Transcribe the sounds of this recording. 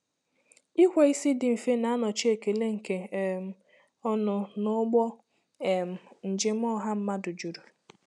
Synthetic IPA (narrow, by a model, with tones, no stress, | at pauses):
i˦hʷe˨i˦si˦dɪ˨m̩˨fe˦na˨a˦nɔ˨t͡ʃi˦e˨ke˨le˦ŋ̩˨ke˨m̩˦˨ | ɔ˦nʊ˦nʊ˦ɡ͡bɔ˦ | e˨m̩˨n̩˨d͡ʒɪ˦m̩˦ɔ˦ɦa˦m̩˦ma˦dʊ˨d͡ʒu˨ɾu˨